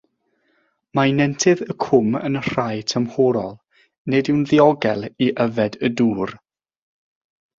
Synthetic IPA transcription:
mainɛntʰɨðəkʰʊmə̰nər̥ajtʰəmhɔɾɔlˠ | nedɪwnðiɔɡɛlˠiʔəvɛdəduːr

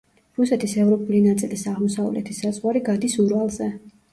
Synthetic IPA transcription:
ɾusɛt̪ʰisɛvɾɔpʼulinat̪sʼilisaʁmɔsavlɛ̰t̪ʰisazʼʁwaɾiɡad̪isuɾalˠzɛ

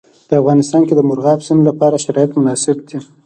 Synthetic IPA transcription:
pəafɣɑnɪst̪ɑnked̪əmʊɾɣɑfsinolapɑɾaʃaɾɑjat̪mʊnɑsɪb̚d̪i

